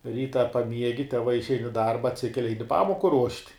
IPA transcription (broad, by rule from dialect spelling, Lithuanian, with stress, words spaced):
ˈrʲiːtɐ pɐˈmʲiɛɡʲɪ tʲɛˈʋɐɪ ɪʃʲˈɛɪn ɪ ˈdɐrbɐ ɐtʲˈsʲɪkʲɛlʲɪ ˈɐɪnʲɪ ˈpɑːmoːkʊ ruɔʃʲtʲ